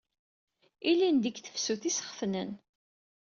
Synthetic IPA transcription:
ilind̪əkθə̥fsuθisə̥χəfnən

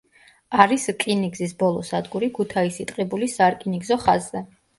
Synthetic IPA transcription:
aɾiskʼiniɡzisbɔlˠɔsad̪ɡuɾikʰut̪ʰaisit̪ʼqʼɛbulisaɾkʼiniɡzɔχazzɛ

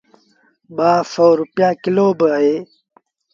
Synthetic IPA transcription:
baːfowɾupjãːkiloːbəɐeː

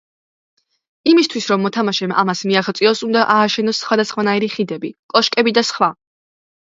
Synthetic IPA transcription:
imist̪ʰwisɾɔmːɔt̪ʰamaʃɛma̰masmiaχt̪sʼiɔsund̪aʔaːʃɛnɔsːχwad̪asχwanaiɾiχid̪ɛbikʼɔʃkʼɛbid̪asχwa

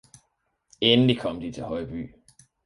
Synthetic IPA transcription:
enlikʰɒ̽m̰d̥it͡sʰe̝lhɒɪb̥y̰ː

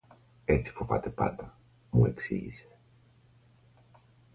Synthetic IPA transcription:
et͡si̥fovat̪epa̰t̪ɐ | mueksiʝḭse̥

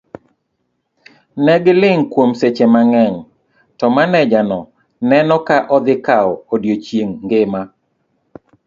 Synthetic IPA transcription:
nɛɡɪlɪŋkwomset͡ʃemaŋɛŋ | tɔmanɛd͡ʒanɔ | nɛnɔkaʔɔd̪ɪkaɔodjot͡ʃjeŋːɡema

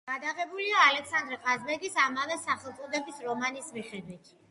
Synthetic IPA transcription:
ɡ̥ad̪aʁɛbuliaːlɛksand̪ɾɛqʼazbɛɡisamavɛsaχɛlˠt̪sʼɔd̪ɛbisɾɔmanismiχɛd̪wit̪ʰ

